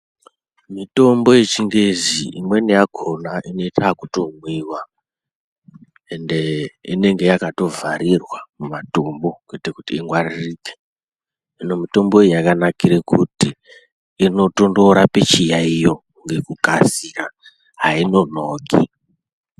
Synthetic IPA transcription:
mito̞mbo̞jet͡ʃiŋɡeziimwe̞nijakʰo̞naʔino̞itakuto̞mwiːwa | ende̞ḭne̞ŋɡe̞jakato̞vaɾirwamumatumbo̞kwetekutiːŋɡwaririːke̥ | inomito̞mbo̞ejakanakiɾekutiː | notondoɾape̞t͡ʃijaijo̞ | ŋɡe̞kukasira | ɦaino̞noːki

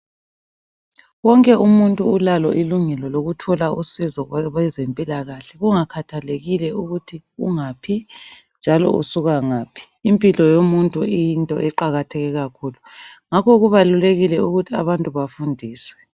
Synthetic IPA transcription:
wɔŋkʼɛʔumuntʼuːlalɔʔiluŋɛlɔloɣutʰɔlausizɔwɛzempʼilaɣaɬɛɣuŋakʰatʰaleɣilɛuɣutʰiuŋapʰi | nd͡ʒʱalɔ̰ṵsuɣaŋaːpʰi̥ːmpʼilɔjomuntʼuijintʼɔ̰ʔɛǃaɣatʰɛɣɛɣakʰuːluŋakʰɔɣuβaluleɣilɛuɣutʰiaβantʼuβafundʱiːswɛ

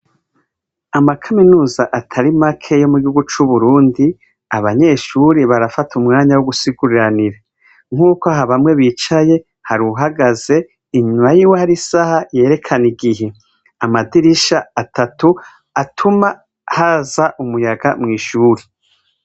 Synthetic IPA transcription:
amakʰaminuːzaʔatʰaɾimakʰe̞jo̞muɡihuɡut͡ʃuβuɾuːndi | aβaɲe̞ʃuɾeβaɾafatʰumŋaːɲawoɡusiɡuɾiɾaniɾe | ŋ̥uːkoaɦaβamŋe̞βiːt͡ʃaje̞ | haɾuɦaɡaze̞ | iɲumajiwehaɾisahaje̞ːɾe̞kʰaniɡiɦe̞ | amadiɾiʃaatʰatu | atʰuma | hazaʔumujaɡamŋiːʃuːɾe

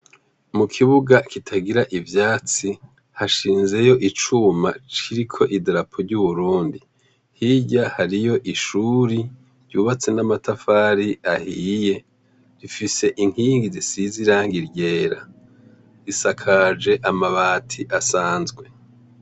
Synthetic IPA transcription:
mukʰiβuɡakitʰaɡiɾaʔivjaːt͡si | haʃiːnze̞jo̞ʔit͡ʃuma̰t͡ʃiɾikʰo̞ʔidɾapʰoɾɟuβuɾuːndi | hiɟahaɾijo̞ʔiʃuɾi | ɾɟuːβat͡se̞namatafaːɾiahije̞ | ɾifise̞ʔiŋ̥hiːŋɡizisiziɾaːŋɡiɾɟe̞ːɾa | ɾisakʰad͡ʒe̞ʔamaβaːtʰiʔasaːnzɡwe̞

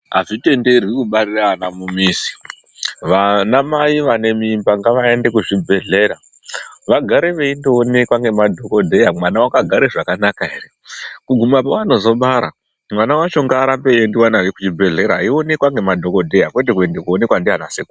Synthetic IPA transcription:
ɦaʐite̞nde̞rwikuɓariraːnamumiːsi̥ | ʋanamaiʋane̞miːmbaŋɡaʋae̞nde̞kuʐibʱe̞ɮe̞ɾa | ʋaɡʱaɾe̞ʋe̞indoːne̞kwaŋɡe̞madʱo̞ko̞dʱe̞jamwanawakaɡʱaɾe̞ʐakanakaɦe̞re̞ | kuɡʱumapawano̞zo̞ɓaɾa̰ | mwanawat͡ʃo̞ŋɡaːɾambe̞jendiwanaʋekut͡ʃibʱe̞ɮe̞ɾaːio̞ne̞kwaŋɡe̞madʱo̞kodʱe̞jakwe̞t̬ek̬ue̞nde̞kuo̞ne̞kwandiɦanaseku

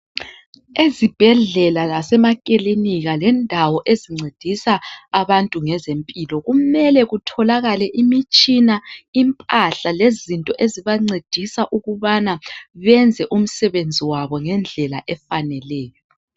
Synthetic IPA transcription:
ezib̥ʱɛɮɛlalasɛmakʼiliniɣalɛndʱawɔʔeziŋ͡ǀed̥ʱisaːβantʼuŋɛzempʼilɔɣumɛlɛɣutʰɔlaɣalɛʔimit͡ʃʼinaimpʼaɬalezintʼɔʔeziβaŋ͡ǀed̥ʱisaʔuɣuβanaβɛnd͡zʱɛʔum̩sɛβend͡zʱiwaβɔŋɛnd͡ɮʱɛlaʔɛfanɛlɛːjɔ

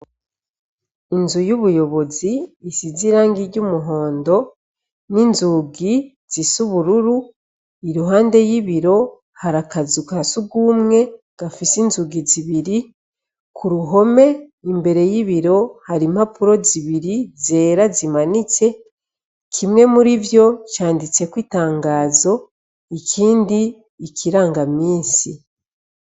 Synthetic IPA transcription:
inzujuβujo̞βo̞ziːsiziɾaːŋɡiɾɟumuɦo̞ːndo̞ | ninzuɡi | z̥isuβuɾuɾu | iɾuɦaːnde̞jiβiɾo̞ | haɾakazukasuɡuːmŋe̞ | ɡ̥afisinzuɡiziβiɾi | kʰuɾuɦo̞me̞imbe̞ɾe̞jiβiɾo̞haɾim̥hapuɾo̞ziβiɾize̞ːɾazimanit͡se̞ | kʰimŋe̞muɾivjo̞caːndit͡se̞kwiːtaːŋɡaːzo̞ | icʰiːndiː | kʰiɾaːŋɡamiːsi

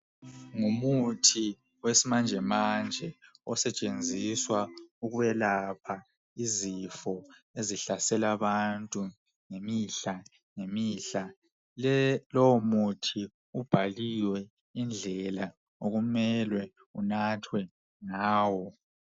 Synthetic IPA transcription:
ŋumutʰi | wesimand͡ʒʱɛmand͡ʒʱɛɔsɛt͡ʃʼend͡zʱiswauɣuβɛlapʰa | izifɔeziɬasɛlaβantʼu | ŋemiɬa | ŋemiːɬa | lɔmutʰi | ub̥ʱaliwɛ | ind͡ɮʱɛla | oɣumɛlwɛ | unatʰwɛ | ŋaːwɔ

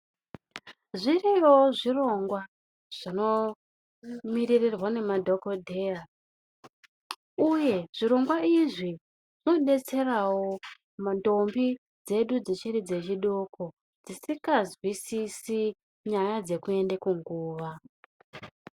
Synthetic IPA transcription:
ʐiriwoʐiro̞ŋɡwa | ʐ̥ino̞ | miririrwane̞madʱo̞kodʱea | uje̞ʐ̥iɾo̞ŋɡwaiʐi | ʐino̞ɗe̞t͡se̞rawo̞ | mando̞mbi | d͡ze̞ɗud͡zit͡ʃirid͡ze̞t͡ʃiɗokʰo̞ | d͡zisikazwisisi | ɲajad͡ze̞kue̞ndekuŋɡuːʋa

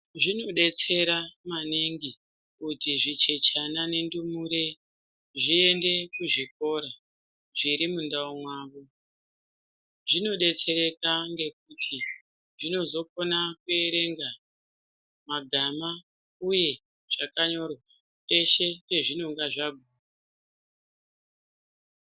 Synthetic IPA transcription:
ʐino̞ɗe̞t͡se̞ɾamaniŋɡi | kutiʐit͡ʃe̞t͡ʃanane̞ndumuɾe | ʐie̞nde̞kuʐik̚o̞ɾa | ʐiɾimundaomwaːʋo | ʐino̞ɗe̞t͡se̞ɾe̞kaŋɡe̞k̚utʰi | ʐino̞zo̞konakue̞ɾe̞ŋɡa | maɡʱama | uje̞ | ʐ̥akaɲo̞ra | e̞ʃe̞neʐino̞ŋɡaʐaɡʱuːa

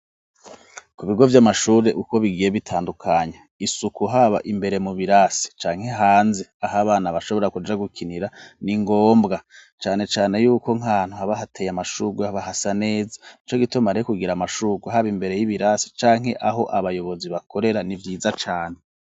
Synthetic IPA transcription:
kuβiɡo̞vjamaʃuːɾe̞ʔuko̞βiɡije̞βitʰaːndukʰaɲe | isukuɦaβa̰ʔimbe̞ɾe̞muβiɾasi̥t͡ʃaːŋhe̞ɦaːnzeahaβaːnaβaʃo̞βo̞ɾakud͡ʒaɡukʰiniɾaniŋɡo̞ːmbɡat͡ʃaːne̞t͡ʃaːne̞juːko̞ŋaːn̥uhaβaɦatʰe̞ːjamaʃuɡwehaβahasane̞ːzḁit͡ʃo̞ɡitomaɾekuɡiɾamaʃuɡuɦaβimbe̞ɾe̞jiβiɾasi̥t͡ʃaːŋ̥ɦe̞ʔaɦo̞ʔaβajo̞βo̞ziβakʰo̞ɾe̞ɾanivjiːzat͡ʃaːn̥e

